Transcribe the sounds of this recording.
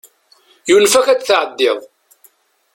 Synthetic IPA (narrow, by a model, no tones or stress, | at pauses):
junfækæt͡sθʕəd̪ːɪðˤ